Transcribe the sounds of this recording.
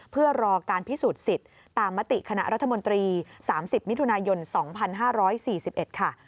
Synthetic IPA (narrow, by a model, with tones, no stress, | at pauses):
pʰɯ˥˩ɐɾɔː˧kaː˧npʰi˦˥suː˨˩t̪̚si˨˩t̪̚ː | aː˧mːa˦˥t̪i˨˩ʔkʰa˧na˦˥ʔɾʔa˦˥t̪ʰːa˧mo˧nt̪ɾiː˧saː˩˦msi˨˩p̚m˦˥t̪ʰu˧naː˧jo˧nsɔː˩˦ŋpʰa˧nɦaː˥˩ɾɔː˦˥jsiː˨˩si˨˩p̚ʔe˨˩t̪̚kʰa˥˩